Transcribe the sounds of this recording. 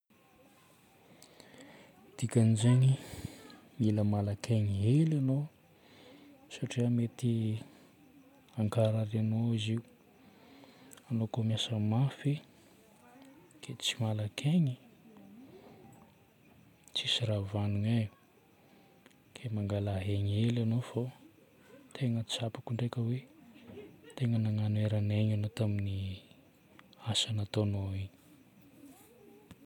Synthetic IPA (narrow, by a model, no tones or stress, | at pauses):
d̪̥ikʲanizeni | miləmalakeɲiɦelano | saʈ͡ʂiəmet̪i | aŋkaɾaɾanoiziu | anokomjasəmafi | kʰet͡simalakʰeɲi | t͡ʃisiɾavanuɲa | kʰemaŋɡalaɦeɲelanofo | t̪ʰeŋət͡sapu̥kuɳɖ͡ʐekʲəwe | t̪eŋənaŋanueɾaneɲanot̪amini | asanat̪onoiɲi̥